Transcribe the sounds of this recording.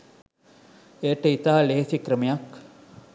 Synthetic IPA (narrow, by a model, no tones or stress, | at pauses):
ejɐʈəit̪aːleɦesikɾɐmijɐk